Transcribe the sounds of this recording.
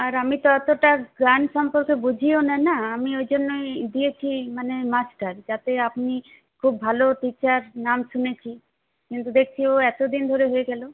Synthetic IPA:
aɾamit̪ɔt̪oʈaɡanʃɔmpoɾkebud͡ʑʱionanaamiojd͡ʑonːoed̪iet͡ɕʰimanemat͡ɕʈaɾd͡ʑat̪eapni | kʰubbʱaloʈit͡ɕaɾnamʃunet͡ɕʰi | kint̪ud̪ek̚ʰt͡ɕʰioɛt̪od̪ind̪ʱoɾeɦoeɡɛlo

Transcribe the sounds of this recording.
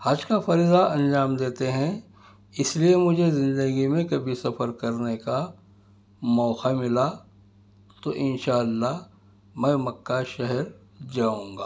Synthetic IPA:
haːd͡ʒkafɐɾiːzaɐ̃nd͡ʒaːmd̪eːt̪eɦɛ̃ | ɪsliemʊd͡ʒʱezɪ̃nd̪əɡimẽkɐbʱisɐfəɾkɐɾneka | mɔːxamɪla | t̪oʔɪnʃaːəlːa | mɛ̃ːmɐkːaʃɛɦɛɾ | d͡ʒaːũːŋɡaː

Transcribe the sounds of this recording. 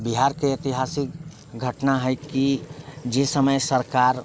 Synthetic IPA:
biɦaɾkeet̪iɦasik̚ | ɡʱəʈnaɦɛjkid͡ʒesəməjsəɾkaɾ

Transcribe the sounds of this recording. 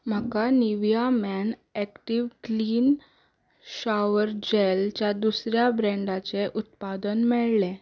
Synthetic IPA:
m̤akaniʋjamɛnɛkʈiʋkliːn | ɕaʋəɾd͡ʑelt͡ɕjad̪usɾjabɾɛ̃ɳɖat͡seʔut̪pad̪ənmɛɭlẽ

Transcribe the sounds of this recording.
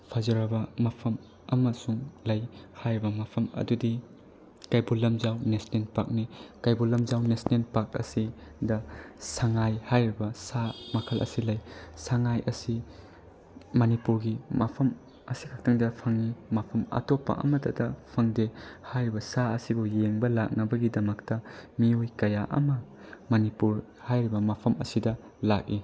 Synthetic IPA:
pʰɐzɐɾɐbɐmɐpʰɐm | ɐmɐsuŋlɐjhajɾibɐmapʰɐmɐ̰dudi | kajbulɐmzawnesnenpak̚nikajbulɐmzawnesnenpak̚ɐ̰sidɐsaŋajhajɾibɐsamɐkʰɐlɐ̰silɐjsaŋajʔɐsi | mɐnipuɾɡimapʰɐm | ɐsikʰak̚tʰɐŋdɐpʰɐŋimapʰɐmɐ̰topːɐ̰ʔɐ̰mɐtʰɐdɐpʰɐŋdehajɾibɐsaɐsibujeŋbɐlak̚nɐbɐɡidɐmɐktɐmiojkɐjaʔɐ̰mɐ | mɐnipuɾ | hajɾibɐmapʰɐmɐ̰sidɐ | lak̚i

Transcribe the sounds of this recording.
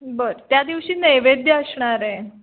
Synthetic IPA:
bəɾt̪jad̪iʋɕiːneʋed̪ʱjəəsɳ̃aɾɛ̃

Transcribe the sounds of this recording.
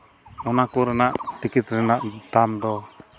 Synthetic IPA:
ɔnakuɾanaʔt̪ikit̪ɾɛnaʔt̪amd̪ɔ

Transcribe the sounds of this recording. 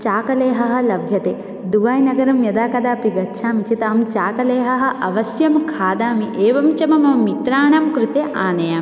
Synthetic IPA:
t͡ʃaːkɐleːɦɐɦɐ̆lɐbʱjɐt̪eː | d̪uʋaːjnɐɡɐɾɐmjɐd̪aːkɐd̪aːpiɡɐtːʃʰaːmit͡ʃit̪aːmt͡ʃaːkɐleːɦɐɦɐ̆ʔɐʋɐsjɐmkʰaːd̪aːmiʔeːʋɐmt͡ʃɐmɐmɐmːit̪ɾaːɳɐmkɾut̪eʔaːnɐjaːm

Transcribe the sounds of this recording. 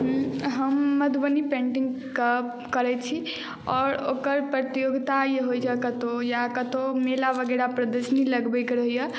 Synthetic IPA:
ɦũɦəmːəd̪ʱbənipẽɳʈiŋɡ | kə | kəɾɛt͡ʃʰi | ɔːɾokəɾpɾət̪ijoɡt̪ajeɦojd͡ʒəkət̪ojakət̪omelabəɡɛɾapɾəd̪əsəniləɡbɛkɾəɦijə

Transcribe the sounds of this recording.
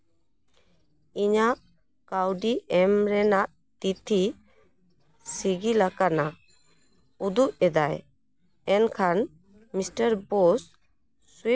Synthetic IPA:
iɲaʔ | kawɖiɛmɾɛnaʔ | t̪it̪ʰi | siɡilakana | ud̪uʔ̚ɛd̪aj | ɛnkʰan | misʈəɾbɔsː | wi

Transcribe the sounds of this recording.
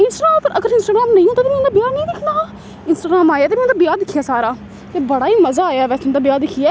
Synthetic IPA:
ɪnsʈaɡãːmpəɾʔəɡəɾɪ̃nsʈaːɡɾaːmnə̃ĩːɦõːt̪at̪eːmɛ̃ːnd̪aːbɪjaːnəĩːd̪ɪkʰnaː | ɪnsʈaːɡɾaːmaːjaːt̪eːmɛ̃ːʊnaːbɪjaːd̪ɪkʰːɪjaːsaːɾaː | t̪eːbəɽaːiːməzaːaːjaːʋɛːsʊnd̪aːbɪjaːd̪ɪkʰːijɛː

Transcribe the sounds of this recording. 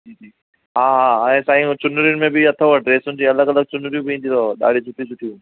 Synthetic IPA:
d͡ʒiːd͡ʒiː | ɦaːɦaːɛ̃ːsaːĩũt͡ɕʊnʊɾijʊnɪ̆mẽbɪɐt̪ʰoʋɐʈɾeːsʊ̃nd͡ʑiɐləɡɐləɡ̚t͡ɕʊnʊɾijũbɪiĩnd̪ʱit̪ʰoːɗa̰ːɽ̤isʰʊʈʰisʊʈʰi

